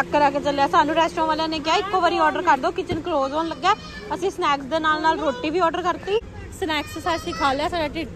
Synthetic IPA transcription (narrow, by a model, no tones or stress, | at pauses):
əkːəɾaːkeːt͡ʃəlaːsaːnũːɾɛːsʈɾõːʋaːlãːneːk̬ɪjaːɪkːoːʋəɾiːɔːɖəɾkəɾd̪oːkɪt͡ʃənkloːzoːnləɡaː | əsĩːsnɛːksd̪eːnaːlnaːlɾoːʈːiːbiːɔːɖəɾkəɾt̪iː | snɛːkssaːsɪkʰaːlaːsaːɖaːʈiːʈ